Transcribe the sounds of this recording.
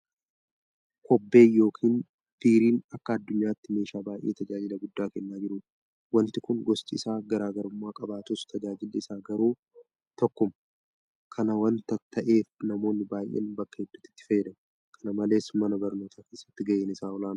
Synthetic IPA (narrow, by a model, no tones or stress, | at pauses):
kɔbːe̞ːjːo̞ːkʰiːn | b̥iːɾiːnɐkːɐːd̪ːʊɲːaːt̪ːɪme̞ːʃaːbaːjʔeːt̪ɐd͡ʒaːd͡ʒɪlɐɡʊd̪ːaːkɛnːaːd͡ʒɪɾʊ | wɐnt̪ɪkʊŋɡɔst͡ʃʼɪ̰saːɡɐɾaːɡɐɾʊmːaːkʼɐbaːt̪ʊst̪ʰɐd͡ʒaːd͡ʒɪlːɪsaːɡɐɾuː | t̪ɔkːɔm | kʰɐnɐwɐnt̪ɐt̪ːɐʔe̞ːfnɐmo̞ːnːɪbaːjʔːḛːnbɐkːɐhɛd̪ːʊt̪ːɪ̥t̪ːɪ̥fɐjːɛd̪ɐm | kʰɐnɐmɐle̞ːsmɐnɐbɐɾnoːt̪ʰaːke̞ːsːɐ̥t̪ːɪɡɐʔeːnɪsaːɔlaːn